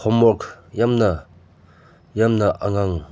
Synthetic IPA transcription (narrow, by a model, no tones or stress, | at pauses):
hʰɔmɔɾkjamnɐ | jamnɐʔaŋaŋ